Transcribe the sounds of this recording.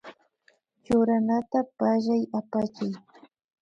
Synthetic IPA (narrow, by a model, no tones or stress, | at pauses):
t͡ʃʊɾanat̪apaʒajapat͡ʃaj